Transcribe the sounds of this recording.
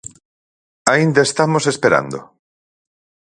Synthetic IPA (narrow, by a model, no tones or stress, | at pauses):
aind̪aest̪amosespeɾa̰nd̪o̰